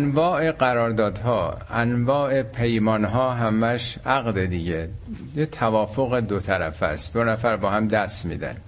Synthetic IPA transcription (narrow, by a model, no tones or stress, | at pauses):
ænvɒːʔe̞ɢæɾɒːɾd̪ɒːd̪hɒːænvɒːʔe̞pʰejmɒːnɦɒːɦæmæʃʔæɣd̪ed̪iɟejet̪ʰævɒːfoɣed̪ot̪ʰæɾæfæ̰st̪d̪onæfæɾbɒːhæmd̪æst̪mḭːd̪æ̰n